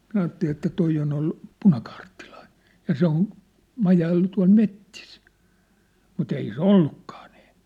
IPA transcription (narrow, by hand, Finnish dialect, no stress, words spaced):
minæ ɑːtːeli etːæ toi on olːu̥ punɑkɑːrtːilɑ̥i̥n̥ jɑ se on mɑjɑilːu tuɑ̝l metːis mut ei se olːukːɑ̥ː n̥i̥ː